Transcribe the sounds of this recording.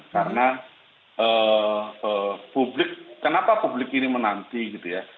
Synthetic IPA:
kaɾəna | ʔəːəpublɪkːənapapublɪkinimənant̪iɡit̪uja

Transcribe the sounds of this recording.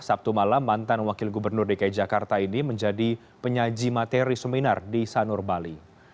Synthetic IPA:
sap̚t̪umalamːant̪anwakɪlɡubərnʊrdikaj̚d͡ʒakart̪ainiməɲd͡ʒadi | pəɲad͡ʒimat̪eɾisəminardisanʊrbali

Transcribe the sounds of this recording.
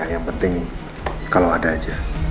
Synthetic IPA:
ahjaŋpənt̪ɪŋ | kalawadaːd͡ʒa

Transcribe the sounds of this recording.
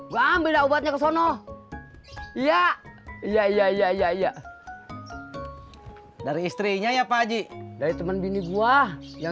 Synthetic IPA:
ɡaːmbɪldaubat̪̚ɲakəsɔnɔ | ijaijaijaijaijaija | daɾiːst̪ɾiɲajapad͡ʒidaɾit̪əmənbiniɡuahja

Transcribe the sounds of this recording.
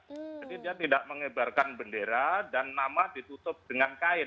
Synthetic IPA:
d͡ʒadidiat̪idaʔməŋəbarkanbəndeɾadanːamadit̪ut̪ʊp̚d̥əŋankaɪ

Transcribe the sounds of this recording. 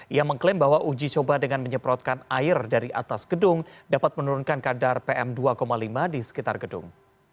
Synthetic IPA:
ijaməŋklɪmbaɦwaʔud͡ʒit͡ʃobahdəŋanməɲəpɾɔt̪̚kanaɪrdaɾiʔa̰t̪asɡ̥ədʊŋdapat̪̚mənuɾunkankadarpeʔɛmduakomalimadisə̥kit̪arɡədʊ̰ŋ

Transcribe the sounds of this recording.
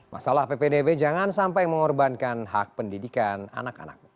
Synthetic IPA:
mʔa̰salahpepedebed͡ʒaŋansampajməŋɔrbankanɦak̚pəndidikana̰naka̰na̰k̚ɲu

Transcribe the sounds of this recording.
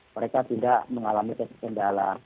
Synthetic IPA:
məɾekat̪idaʔməŋalamikət̪kəndala̰

